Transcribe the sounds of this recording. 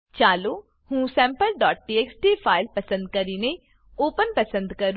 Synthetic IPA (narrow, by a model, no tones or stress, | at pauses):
t͡ʃaːloː | hũːsɛ̃ːmpəlɖɔːʈ̚ʈiːeːksʈiːpʰaːɪlpəsə̃nd̪̚kəɾiːne | oːpənpəsə̃nd̪kəɾ